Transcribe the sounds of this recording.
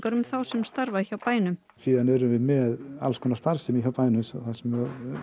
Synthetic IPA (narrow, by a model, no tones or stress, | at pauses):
kaɾʏmθawsɛmst̪aɾvaiçawpaːjnʏm | siːðanɛɾʏmvɪðmɛða̰lskʰɔːnast̪aɾ̥sɪmiçawpaːjnʏsɔ̰θasɛmœ